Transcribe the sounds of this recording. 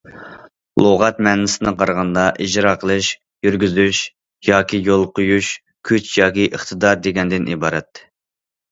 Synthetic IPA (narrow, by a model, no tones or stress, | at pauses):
lˠʔoʁɑt̪mɛnɪsɪnɪqʰɑɾʁɑnd̪ɑʔid͡ʒɾɑqʰəlˠɨʃ | jyɾɡʲyzyʃ | jɑːkʲʰijolˠqʰojuʃ | kʲʰyt͡ʃjɑːkʲiʔəχt̪ʰɨd̪ɑɾd̪eɡʲɛnd̪ɪnʔibɑːɾɛt̪ː